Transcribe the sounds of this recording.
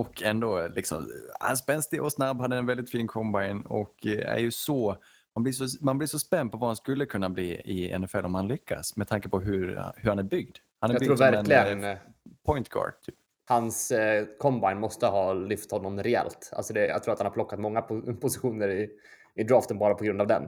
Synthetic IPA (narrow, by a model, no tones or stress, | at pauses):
ɔkʰɛnd̪oːlɪksɔ̰mha̰nspɛnst̪ɪʔɔsnabːhad̪ːəɛnvɛld̪ɪt̪fiːnkʰɔmbajnɔ̰kæ̰ɾjɵsɔ | manblɪʂɔmanblɪʂɔspɛnd̪pʰɔvahanskɵlːəkʰɵnːabliːɪɛ̰nɛfɛlːɔmhanlʏkʰːa̰smɛdt̪ʰaŋkəpʰɔɦɵɾ̰hɵɾhanæɾbʏɡd̪ | hanæɾtbʰɾuːɾvæɾɾɛnlɪɡə | pʰɔjnt̪ɡɑ̰ːɖ̥̚t̪ʰyːp̚ | hanskʰɔmbaɪnmɔst̪əɦɑːlʏft̪hɔnːɔmɾɛɛ̰lt̪a̰lsɔd̪ɛjɑ̰ɡt̪ʰɾuːat̪hanaɾplɔkːat̪mɔŋːapʰʊsɪɧuːnəɾɪ | ɪd̪ɾɑːft̪ənbɑːɾapʰɔɡɾɵnd̪avd̪ɛ̰n